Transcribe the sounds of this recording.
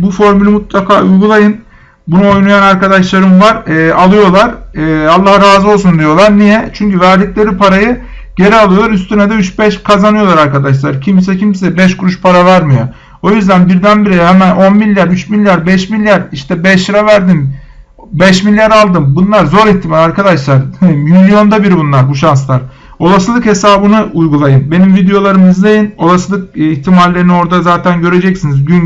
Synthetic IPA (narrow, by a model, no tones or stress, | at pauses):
bufo̞ɾmylʲimut̪lˠakʰaːujɡulˠajɯn | bunuo̞jnujanaɾkad̪aʃlˠaɾɯmvaɾɛːʔalˠɯjo̞lˠaɾɛalˠːahaɾaːzɯo̞lˠsund̪ijo̞lˠaɾnijɛt͡ʃʰyɲcyvæɾd̪iclʲe̞ɾipʰaɾajɯ | ɟe̞ɾɛalˠɯjo̞lˠaɾyst̪ynɛd̪ɛyt͡ʃbɛʃkʰazanɯjo̞lˠaɾaɾkad̪aʃ̬lˠaɾcʰimsɛcʰimsɛbɛʃkuɾuʃpʰaɾavæɾmijo | o̞jyzd̪ænbiɾd̪ænbiɾɛhɛmæno̞nmilʲjaɾyt͡ʃmilʲːjaɾbɛʃmilʲːjæɾiʃt̪ʰɛbɛʃɯɾavæɾd̪im | bɛʃmilʲːjaɾalˠd̪ɯmbunlˠaɾzo̞ɾiçt̪ʰimalʲaɾkʰad̪aʃlˠaɾhmilʲijo̞nd̪abiɾibunlˠaɾbuʃanslˠaɾ | o̞lˠasɯlˠɯkhe̞saːbɯnɯujɡulˠajɯnbe̞nimvid̪ejo̞lˠaɾɯmizd̪ajɯno̞lˠasɯlˠɯk̚içt̪ʰimalʲːe̞ɾinio̞ɾd̪azaːt̪ʰænɟø̞ɾe̞d͡ʒɛcsinizɟyn